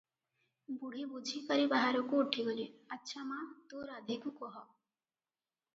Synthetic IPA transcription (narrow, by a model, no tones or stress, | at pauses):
buɽ̤ibud͡ʒʱikəɾibaɦaɾokouʈʰiboliətːʃʰamat̪uɾad̪ʱikukɔɦɔ